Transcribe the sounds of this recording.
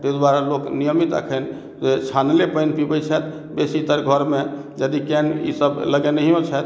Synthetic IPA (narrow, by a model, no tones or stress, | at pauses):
t̪əd̪waɾaloknijəmit̪ə̰kʰən | et͡ʃʰanlepəjnpibət͡ʃʰət̪ | besit̪əɾɡʱəɾme | d͡ʒəd̪ikɛnḭsəbləɡɛnəɦijõt͡ʃʰɛt̪